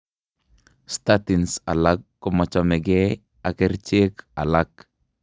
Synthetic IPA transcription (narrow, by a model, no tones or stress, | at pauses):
statinsalakːɔmat͡ʃɔmɛɡɛ | akɛɾt͡ʃekalak